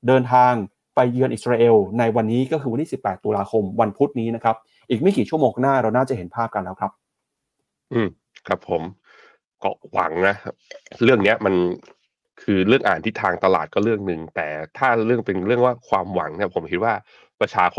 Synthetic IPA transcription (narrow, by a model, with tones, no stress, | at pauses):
dɤː˧nt̪ʰaː˧ŋ | pa˧jːɯ˧ənʔi˨˩ɾaː˧ʔe˧wna˧jwa˧nːiː˦˥kɔː˥˩ɯ˧a˧ntʰiː˥˩spːɛː˨˩t̪ːuː˧laː˧kʰo˧mwa˧npʰu˦˥t̪̚niː˦˥na˦˥kʰa˦˥p̚ | ʔiː˨˩k̚ma˥˩kiː˨˩t͡ɕʰu˥˩oː˧ŋka˥naː˥˩ɾa˧wnaː˥˩t͡ɕa˩he˩˦npʰaː˥˩p̚ka˧nlɛː˦˥wkʰɾa˦˥p̚ | ʔɯː˧˩m | kʰɾa˦˥pʰːo˩˦m | kɔː˥˩wa̰˩˦ŋna˦˥ɾɯ˥˩əŋni˦˥ɐma˧n | kʰɯː˧ɾɯ˥˩əŋʔaː˨˩nt̪ʰi˦˥˩t̪ʰːaː˧ŋt̪a˧la̰ː˨˩t̪̚kɔː˥˩ɾɯ˥˩əŋnɯ˨˩ŋt̪ɛː˨˩t̪ʰaː˥˩ɾɯ˥˩əŋpe˧nɾɯ˥˩əŋwaː˥˩kʰwaː˧mwa˨˩˦ŋni˥˩ɐpʰo˩˦mkʰi˦˥t̪̚waː˥˩ | pɾa˧t͡ɕʰaː˧kʰ